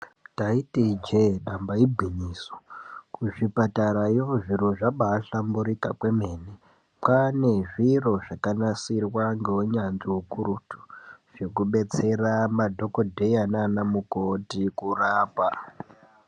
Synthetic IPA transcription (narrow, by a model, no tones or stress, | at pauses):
taitid͡ʒeɗambaibʱiɲiso̥kuʐipataɾajoʐiɾo̞ʐaɓaːɬambuɾikakwe̞me̞ːne | pane̞ʐiro̞ʐakanasirwaŋɡeuɲanʐiukuɾutu̥ʐ̥ekuɓe̞t͡se̞ramadʱo̞kodʱe̞jananamukotikuraːpa